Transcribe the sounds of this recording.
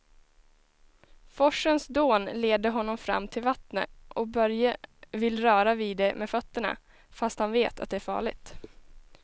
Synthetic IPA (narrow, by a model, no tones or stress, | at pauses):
fɔʂːənsd̪oːnleːd̪əɦɔnːɔmfɾa̰mːt̪ʰɪlvat̪nə̰ʔɔbœɾjavɪlɾœːɾaviːd̪ɛmefœt̪ːəɳa̰ | fast̪hanveːt̪ʰa̰t̪̚d̪ɛæɾfɑ̰ːɭɪ̰ɡ̚t̪